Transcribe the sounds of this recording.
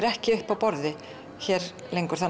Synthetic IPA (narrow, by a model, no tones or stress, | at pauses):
ɾɛhcɪʏhpawpɔɾðɪ | çɛːɾ | lejŋkʏɾ̥θa